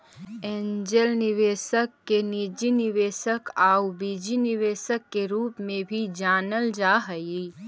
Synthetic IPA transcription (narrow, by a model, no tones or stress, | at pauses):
eːɲd͡ʒəlnɪʋeːʃəkːenid͡ʒinɪʋeːʃəkaːubid͡ʒinɪʋeːʃəkːeɾuːpmẽbʱid͡ʒaːnəld͡ʒaːɦəi